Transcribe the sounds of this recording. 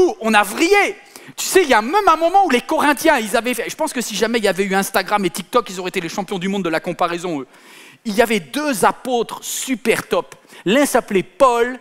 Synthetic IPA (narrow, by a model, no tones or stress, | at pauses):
uɔ̃navʁije | t̪y̥sɛiljamɛmɛ̃mɔmɑ̃ulekɔʁɛ̃t̪jɛ̃ilzavɛfɛʒəpɑ̃skəsiʒamɛiljavɛyɛ̃st̪aɡʁamet̪ik̚t̪ɔkilzɔʁɛet̪eleʃɑ̃pjɔ̃d̪ymɔ̃d̪ːəlakɔ̃paʁɛzɔ̃ø | iljavɛd̪øzapot̪χsypɛʁt̪ɔplɛ̃saplepɔl